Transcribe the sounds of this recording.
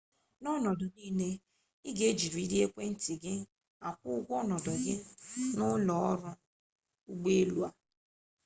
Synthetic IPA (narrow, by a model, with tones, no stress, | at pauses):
nɔ˦nɔ˨dɔ˨niː˦ne˦ | ɪ˦ɡe˦d͡ʒi˨ɾu˨i˦di˦e˦kʷe˦n̩˦ti˨ɡɪ˦ | a˨kʷʊ˦ʊ˦ɡʷɔ˦nɔ˨dɔ˨ɡɪ˦nʊ˦lɔ˨ɔ˦ɾʊ˦ | u˦ɡ͡be˦e˦lu˦a˨